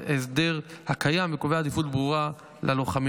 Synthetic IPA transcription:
es̬d̪e̞ʁhakʰajamvekoveaːd̪ifut̪bʁuʁa | lʔaloχam

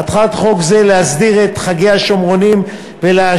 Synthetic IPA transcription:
at̪χat̪χo̞kzelehasdiʁe̞t̪χaɡeaʃomʁo̞nim | velea

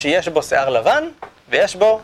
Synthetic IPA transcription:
ejeʃbo̞seʔaʁlavan | vejeʃbo̞

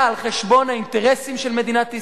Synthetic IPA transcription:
alχeʃbo̞naint̪eʁesimʃelme̞d̪inatːi

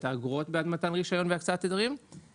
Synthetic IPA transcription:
t̪aːɡʁot̪bead̪mat̪anʁiʃajo̞nveakt͡saat̪ed̪aʁim

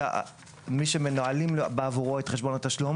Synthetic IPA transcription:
miʃemenoalimlobaavuʁoetχeʃbonat̪aʃlum

